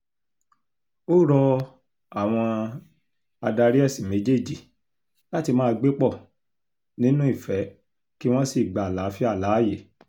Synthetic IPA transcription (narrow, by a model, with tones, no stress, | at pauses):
o˦ɾɔ˧ | a˨w̃ɔ̃˧ | a˧da˧ɾi˦ɛ˦˨si˨mẽ˨˦d͡ʒe˦˨d͡ʒi˨ | la˦ti˧mãː˦˧ɡ͡be˦k͡pɔ˦˨ | nĩ˦nũ˦i˦˨fɛ˨˦ | ki˦w̃ɔ̃˦si˦˨ɡ͡ba˨la˨˦fi˦a˦˨la˨˦˨je˨